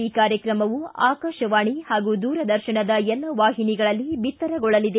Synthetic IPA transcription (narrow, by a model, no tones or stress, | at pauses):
iːkaːɾjɐkɾɐmɐʋua̰ːkɐʃɐʋaːɳihaːɡud̪uːɾɐd̪ɐɾʃɐɳɐd̪ɐjɛlːɐʋaːɦiniɡɐɭɐlːibit̪ːɐɾɐɡɔɭɐlid̪e